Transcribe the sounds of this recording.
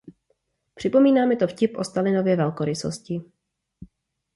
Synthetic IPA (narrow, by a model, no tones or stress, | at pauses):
pr̝̥ɪpo̞miːnaːmɛt̪o̞fcɪpʔo̞st̪alɪno̞vjɛvɛlkoɾɪso̰scɪ